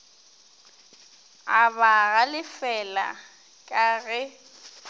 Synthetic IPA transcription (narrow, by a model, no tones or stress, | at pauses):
aβaɣalɪfɛla̰ | kʼaɣɛ